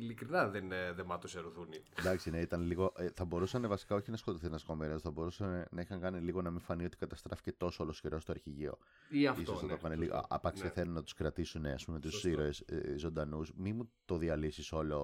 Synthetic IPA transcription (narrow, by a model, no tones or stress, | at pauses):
ilikɾinɐðenðemɐt̪oseɾoθuniend̪ɐksineit̪ɐnliɣo̞ʔeθɐbo̞ɾusɐnevɐsi̥kɐo̞çinɐskot̪oθinɐsko̞meniosθɐbo̞ɾusɐnenɐixɐŋkɐniliɣo̞nɐmiɱfɐnio̞t̪ikɐt̪ɐst̪ɾɐfi̥ce̞t̪o̞soɐlosceɾo̞st̪oɐɾçiʝio̞̰ | iɐfisoɐt̪okɐneliɣo̰ɐ̰pɐkseθenunɐt̪u̥skɾɐt̪isuneɐ̰spumet̪usiɾoeszo̞nd̪ɐnusmimut̪o̞ðiɐlisiso̞lo̞